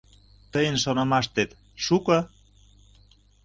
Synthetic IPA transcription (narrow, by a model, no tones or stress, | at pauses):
t̪əjənʃonɑmɑʃt̪et̪ | ʃukɑ